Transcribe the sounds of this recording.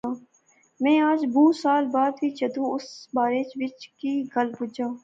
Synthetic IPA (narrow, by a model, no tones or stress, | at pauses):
aː | mɛ̃ːaːd͡ʒbũːsaːlbaːd̪biːt͡ʃəd̪ũːʊsbaːɾeːt͡ʃʋɪt͡ʃkiːɡəlbʊd͡ʒaː